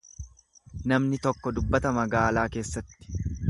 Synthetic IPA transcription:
nɐmnɪt̪ɔkːɔd̪ʊbːɐt̪ɐmɐɡaːlaːke̞ːsːɐt̪ːɪ̥

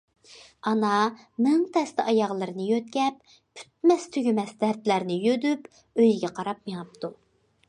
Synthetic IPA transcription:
ɑnɑ | mɪŋt̪ʰɛst̪ɛʔɑjɑʁlˠɨɾɨnɨjøt̪̚kʲɛp̚ | pʰːy̥t̪̚mɛst̪ʰyɡʲymɛsd̪æɾt̪læɾnɪjød̪yp | øjɡʲɛqʰɑɾɑp̚meŋɨp̚t̪ʰu

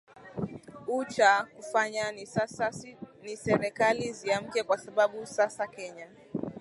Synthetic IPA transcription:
ut͡ʃakufaɲanasnisɛɾɛkaliziam̩kɛkwasaɓaɓusasakɛɲa

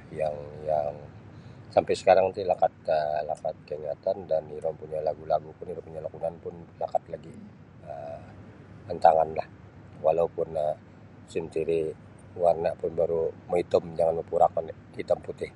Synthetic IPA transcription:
jaŋjaŋ | sampajsə̥kaɾaŋt̪ilakat̪̚əlakat̪̚kəɲat̪andaniɾɔmpuɲalaɡulaɡupʊniɾɔpuɲalakunanpʊnlakat̪laɡi | ə | mənt̪aŋanlah | walaupʊnə | simt̪iɾi | warnaʔpʊnbaɾuməit̪əmd͡ʒaŋanupuɾakan | hit̪əmput̪ɪh

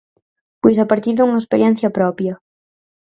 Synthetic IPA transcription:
pojs̬ɐpaɾt̪iɾðuŋɐespeɾjɛn̟θjɐpɾɔpjɐ

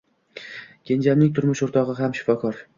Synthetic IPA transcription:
kʲʰe̞nd͡ʒamnɪŋt̪ʰʊɾmʊʃoɾt̪ʰɒʁɨɦamʃɪ̥fɒkʰɒɾ

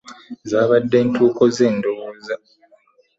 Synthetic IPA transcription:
zaːβadːe̞ːntʰuːko̞ze̞ːndoza

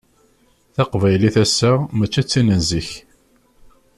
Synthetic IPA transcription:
θɑqvæjliθæsæmæt͡ʃːæt͡sːinənziç

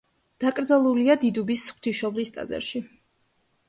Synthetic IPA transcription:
d̪̥akʼɾd̪zalˠuliad̪id̪ubisχw̥t̪ʰiʃɔvlist̪ʼa̰zɛ̰ɾʃi

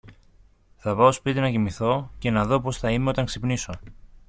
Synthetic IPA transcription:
θɐpɐospit̪inɐʝimiθo̞ce̞nɐðo̞po̞sθɐimeo̞t̪ɐŋksipniso̞

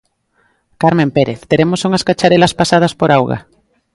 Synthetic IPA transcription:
kaɾmẽmpeɾeθt̪eɾemosuŋɐskat͡ʃaɾelaspasað̞ɐspoɾawɣa̰

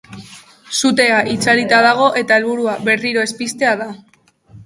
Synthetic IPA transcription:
sut̪e̞aʔit͡saɾit̪að̞aɣ̞o̞ʔe̞t̪ae̞lβuɾuaβe̞riɾo̞e̞spist̪e̞aða

